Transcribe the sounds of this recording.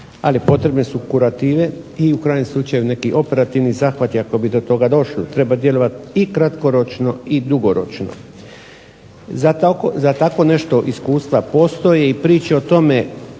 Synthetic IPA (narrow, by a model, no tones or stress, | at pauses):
a̰lipo̞t̪ɾe̞bne̞sukuɾat̪iːʋe̞iukɾaːjɲemslut͡ʃajune̞kiʔo̞pe̞ɾat̪iʋnizaːxʋat̪iako̞bid̪o̞t̪o̞ɡad̪o̞ʃlit̪ɾe̞bad̪je̞lˠo̞ʋat̪ikɾat̪ko̞ɾo̞t͡ʃno̞id̪uɡo̞ɾo̞̰t͡ʃno̰ | zat̪akozat̪ako̞ne̞ʃt̪o̞ʔiskuːst̪ʋapo̞st̪o̞jeipɾiːt͡ʃeot̪o̞me̞